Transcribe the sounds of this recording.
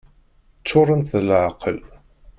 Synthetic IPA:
t͡sːʊɾˤənt̪θəlʕqəl

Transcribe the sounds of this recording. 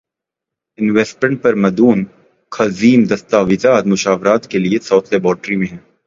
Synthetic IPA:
ɪnʋɛːsʈmẽɳʈ̚pɐɾmɐd̪uːn | kʰɐziːmd̪ɐst̪aːʋɪzaːt̪mʊʃaːʋɾaːt̪keliesɔːt̪ʰlɛːbɔːɾʈɾimẽɦɛ̃ː

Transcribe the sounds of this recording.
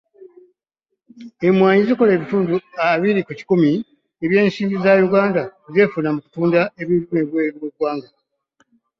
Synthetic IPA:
e̞mwaːɲiziko̞le̞ːβituːnduaβiɾikuci̥kumi | eβje̞ːnsiːmbizajuɡaːndaze̞ːfunamuku̥tuːndae̞βiluneβwe̞ːɾwoɡwaːŋɡa

